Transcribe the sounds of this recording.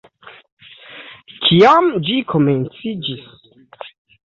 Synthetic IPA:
kʰiamd͡ʒikʰo̞ment͡sid͡ʒis

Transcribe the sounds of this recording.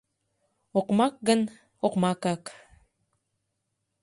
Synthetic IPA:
oqmɑk̚ɡən | oqmɑkak

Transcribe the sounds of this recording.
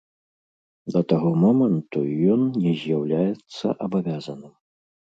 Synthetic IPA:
d̪ɐt̪aɣɔmɔmɐnt̪ujɔnnʲɛzʲjawlʲajɛt̪sːɐ̰ʔɐbavʲazɐnɨm

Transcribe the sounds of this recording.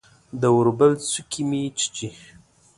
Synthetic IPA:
d̪əwuɾbəlt͡sukʰimit͡ʃi̥t͡ʃi

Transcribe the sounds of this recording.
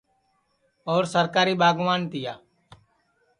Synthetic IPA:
oːɾsəɾkaːɾiːɓaːɡʋaːnt̪ɪja̰ː

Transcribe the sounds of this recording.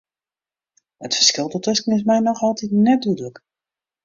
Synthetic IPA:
ətfə̥r̥skɪlˠdətøskəŋɪs̬mɛjnɔxɑlˠtitnɛt̚dydələk

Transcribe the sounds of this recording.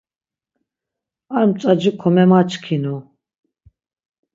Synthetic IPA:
aɾmt͡sʼad͡ʒikʰɔmɛmat͡ʃʰkʰinu

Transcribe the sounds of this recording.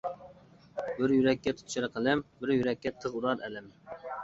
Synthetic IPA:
bɪɾjyɾɛkʲːɛt̪ʰʊ̥t̪ʰʃɛɾqʰəlɛmbɪɾjyɾɛkʲːɛt̪ʰəʁuɾɑɾɛlɪm

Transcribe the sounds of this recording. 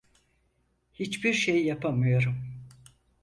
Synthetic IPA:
hit͡ʃbiɾʃejːapʰamɯjo̞ɾum

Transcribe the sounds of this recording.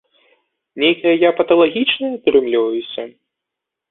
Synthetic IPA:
nʲejkɐjɐjapɐt̪ɐlˠaɣʲit͡ʂnɐjɐt̪ɾɨmlʲivɐjusʲɐ

